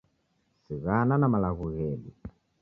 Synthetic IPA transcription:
siɣananamalaɣuɣɛlḭ

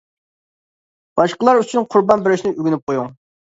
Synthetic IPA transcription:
b̥ɑʃqəlˠɑɾyt͡ʃʰynqʰʊɾbɑnbɪɾɪʃnɪʔyɡʲynyp̚qʰojuŋ

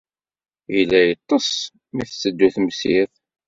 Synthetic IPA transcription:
ilːæjət̪ˤːəs | miθsːəd̪ːuθmsiθ

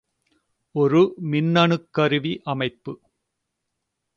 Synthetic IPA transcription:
ɔɾɯmɪnːɐɳɯkːɐɾɯʋiʔɐmɐɪpːɯ

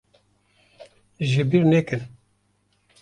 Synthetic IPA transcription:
ʒɨbiɾnɛkɨn

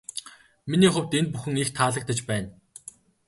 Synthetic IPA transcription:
miniːχʊw̥ʲt̪ent̪̚puxɘ̆ŋixt̪ʰaːɮə̆k̚t̪ə̆t͡ɕpæːn

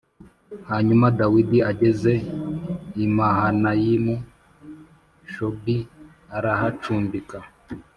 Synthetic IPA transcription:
haɲumadawidiaɟe̞ze̞ | imahanajimu | ʃobi | aɾahat͡ʃuːmbika

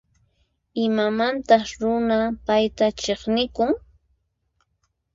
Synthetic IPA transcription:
ɪmamant̪ɑχɾʊnapajt̪at͡ʃeχnɪkʊŋ

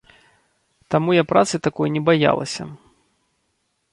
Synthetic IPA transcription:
t̪amujapɾat̪sɨt̪akɔjnʲɛbaja̰lˠɐ̰sʲɐ̰

